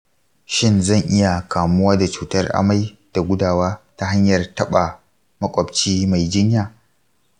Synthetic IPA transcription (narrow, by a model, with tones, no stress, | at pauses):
ʃɪ˦nzɐ˦˨ŋʔɪ˦ja˨kʰaː˨mʊ˦waː˦da˨t͡ʃuː˨tɐ˦rʔa̰˦ma˦j | d̥a˨ɡʷʊ˦daː˨waː˦ta˦ɦa˦ɲjɐ˨rtɐ˦ɓa˨ | mɐ˦kʷʼɔ˨bt͡ʃiː˦ma˨jd͡ʒɪ˦ɲjaː˨